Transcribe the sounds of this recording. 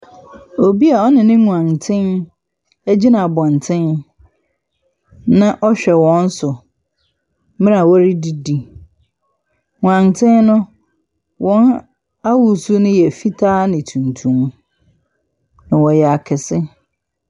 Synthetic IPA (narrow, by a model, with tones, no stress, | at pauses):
o˨bi˦a˨ɔ˦nɪ̃˨nɪ̃˦ŋũ˨ã˨ŋ˨tʰɪ̃˦n | æ˦d͡ʑi˦nã˨a˨bɔ̃˨n˨tʰɪ̃˦n | nã˦ʔɔ˦ɕᶣɛ˨wɔ̃˦n̩˦sʊ˨ | mɪ̃˦a˨wɔ˦ɾi˦di˦di˨ | ŋũ˨ã˨ŋtʰɪ̃˦nnʊ̃˦ | wʔɔ̃˦n | a˦wu˨su˦nʊ̃˦jɛ˨fi˦tʰaː˦nɪ̃˨tʰũ˨ntʰũ˦m | nã˨wɔ˨jɛ˨a˨kʰɪ˨sɪ˦